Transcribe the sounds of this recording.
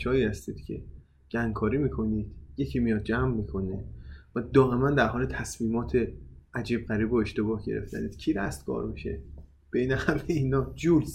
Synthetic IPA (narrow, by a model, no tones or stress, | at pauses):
t͡ʃʰɒːjiːhæst̪iːd̪̥cʰe̞̰ | ɟ̥æŋɡkʰɒːɾiːmiːkʰo̞niːd̪̥jecʰiːmijɒːd̪̚d͡ʒæmːiːkʰo̞nevæd̪ɒːʔe̞mænd̪æɾɦɒːlet̪ʰæsmiːmɒːt̪ʰeʔæd͡ʒiːb̚ɣæɾiːboe̞ʃt̪e̞bɒːhɟeɾḛft̪ʰæ̰niːd̪̥cʰiːɾæst̪̚ɡ̥ɒ̰ːɾbiʃḛ | b̥e̞iːnæxæleiːnɒːd͡ʒuːɾz